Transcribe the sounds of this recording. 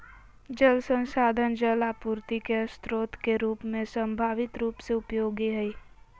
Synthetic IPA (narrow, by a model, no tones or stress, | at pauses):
d͡ʒəlsə̃nsaːd̪ʱənd͡ʒəlapuːɾt̪ikeəst̪ɾoːt̪keɾuːpmẽsə̃mbʱaːʋɪt̪ɾuːpseʊpjoːɡiɦɛi